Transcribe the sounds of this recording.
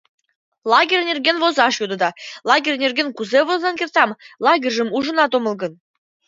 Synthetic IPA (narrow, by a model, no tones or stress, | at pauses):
lˠɑɡʲerʲnʲerʲɡʲenvozɑʂjud̪ɤ̆d̪ɑlˠɑɡʲerʲnʲerʲɡʲenkuzevozɑnkʲert̪ɑmlˠɑɡʲerʲʒɘ̆muʐɤ̆nɑt̪omɤ̆lˠɡɤ̆n